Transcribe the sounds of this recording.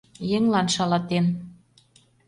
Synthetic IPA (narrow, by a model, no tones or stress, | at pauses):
jĕŋlɑnʃɑlɑt̪en